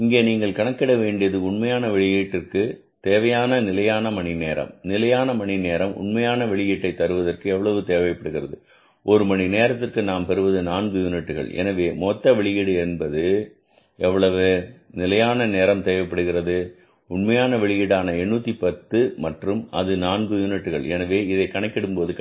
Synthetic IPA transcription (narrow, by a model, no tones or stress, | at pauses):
ɪŋɡeːniːŋɡɐɭkɐɳɐkːɪɽɐʋeːɳɖɪjɐðɯʊɳmɐjaːnɐʋɛɭɪjiːʈːɪrkɯ | t̪eːʋɐjaːnɐnɪlɐjaːnɐmɐɳɪneːɾɐ̰mnɪlɐjaːnɐmɐɳɪneːɾɐmʔʊ̰ɳmɐjaːnɐʋɛɭɪjiːʈːɐɪt̪ːɐɾɯʋɐðɐrkɯɛʋːɐɭɐʋɯt̪eːʋɐɪpːɐɽɯɣɪrɐðɯ̰ | ʔɔɾɯmɐɳineːɾɐt̪ːɪrkɯnaːmpɛɾɯʋɐðɯnaːnɡɯjʊnɪʈːɯɣɐ̰ɭɛ̰nɐʋeːmɔt̪ːɐʋɛɭɪjɪɽɯɛnbɐðɯ | ʔɛʋːɐɭɐʋɯnɪlɐjaːnɐneːɾɐmt̪eːʋɐpːɐɽɯɣɪɾɐðɯ | ʊɳmɐjaːnɐʋɛɭɪjɪɽaːnɐɛɳːuːt̪ːipɐt̪ːɯmɐʈrɯmɐðɯnaːnɡɯjʊnɪʈːɯɣɐɭɛ̰nɐʋeːɪðɐɪkːɐɳɐɪkːɪɽɯmpoːðɯ